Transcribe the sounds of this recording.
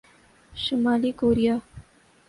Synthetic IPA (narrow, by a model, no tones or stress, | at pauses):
ʃəmaːlikoːɾijaː